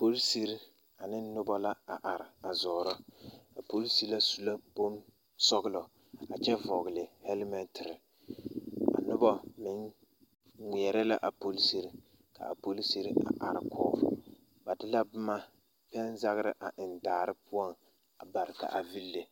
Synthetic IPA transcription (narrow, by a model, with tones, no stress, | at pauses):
po˦lsi˦ɾ | a˨nɪ˦n˦nʊ˦bɔ˦la˦a˨ʔa˨ɾɪ˨a˨zɔː˨ɾɔ˦a˨po˦lsi˦la˦su˨la˦bo˦m | sɔ˦ɣɨ˦lɔ˨ | a˨t͡ʃɛ˦vɔ˨ɡɪ˨lɪ˨hɛ˦lmɛ˦ntʰɪ˨ɾ | a̰˨nʊ˦bɔ˦mɪ˦n | ŋʷi˨ɛ˨ɾɛ˦la˦ʔa˨po˦lsi˦ɾi˦ | ka̰˨a̰˨po˦li˦si˦ɾʔa̰˨ʔa̰˨ɾɪ̰˨˦kʰɔː˦v̰ | ba˨dɪ˦la˦bʊ˦ma˦ | pɛ˦nza˦ɣɨ˦ɾɪ̰˦ʔa˨ʔɪ˨ndaː˨ɾɪ˦pʊ˦ɔ˦n | a˨ba˨ɾɪ˨ka̰˨ʔa˨vi˦lːe˨